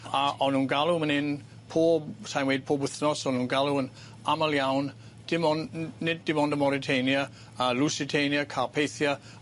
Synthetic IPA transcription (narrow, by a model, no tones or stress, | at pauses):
aʔɔnhuːnɡalˠumənɪn | pʰoːbsajnwejd̚pʰoːbwɪθnɔsɔnhũːnɡalˠuən | aməlˠjawn | d̥ɪmɔnːɪd̚ɪmɔndəmɔɾɪtʰejnjə | əlˠusɪtʰenjəkʰapʰejθjə